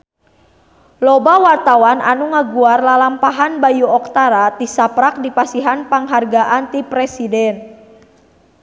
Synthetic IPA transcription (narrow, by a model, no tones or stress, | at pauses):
lɔbawart̪awana̰nuŋaɡuarlalampaɦanbajuɔk̚t̪aɾat̪isapɾak̚dipasiɦanpaŋɦarɡaʔant̪ipɾɛsidɛn